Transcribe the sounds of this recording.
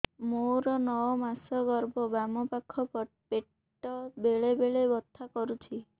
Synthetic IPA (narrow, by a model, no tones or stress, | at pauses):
moɾɔnɔɔmasɔɡɔɾbɔbamɔpakʰːɔpɔʈ̚peʈː | ɔbeɭebeɭebɔt̪ʰːakɔɾut͡ʃʰi